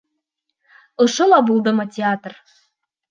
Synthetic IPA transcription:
ɤ̆ʃɤ̆lˠɑbulˠd̪ɤ̆mɤtʲeat̪r

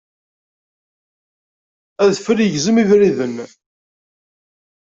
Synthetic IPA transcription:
æðfəljəʝzəmivɾiðən

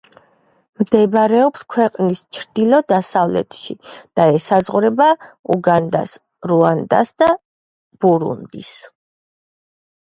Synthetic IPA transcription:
md̪ɛbɾɛɔpskʰwɛqʼnist͡ʃʰɾd̪ilˠɔd̪asavlɛ̰t̪ʰʃid̪̥aɛsazʁuɾɛbauɡand̪a̰s | ɾuand̪a̰sd̪a | b̥uɾṵnd̪ḭs

